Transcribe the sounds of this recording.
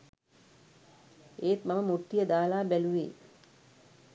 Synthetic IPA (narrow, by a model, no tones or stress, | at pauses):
eːt̪maməmuʈːijəd̪aːlaːbæluʋḛː